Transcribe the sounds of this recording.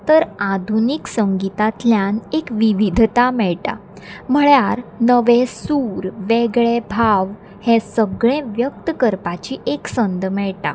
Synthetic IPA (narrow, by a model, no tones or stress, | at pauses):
t̪əɾad̪ʱuniksəŋɡit̪at̪ljãnekʋiʋid̪ʱt̪amɛɭʈa̰ | m̤əɭjaɾnəʋẽsuːɾʋeɡɭebʱaʋ | hɛ̃səɡɭẽʋjək̚t̪əkəɾpat͡ɕiʔeksənd̪mɛɭʈa̰